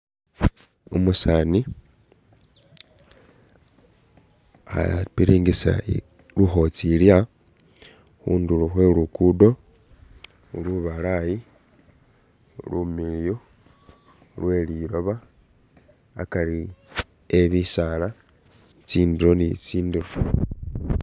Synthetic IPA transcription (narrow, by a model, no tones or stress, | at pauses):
umusani | a̰piɾiːŋɡisa̰ | luxo̞t͡silja | xṵnduluxwelukudo̞ | uluβalaji | lumiljo | lwe̞liɾo̞βa | kaɾi | eβisala | t͡siːndiɾo̞nit͡siːndiɾo